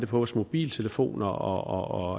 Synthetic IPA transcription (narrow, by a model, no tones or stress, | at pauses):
d̥epʰɒʋɒsmo̝b̥ḭːlt͡sʰe̝ləfo̝̰ːnɐɒɒɒ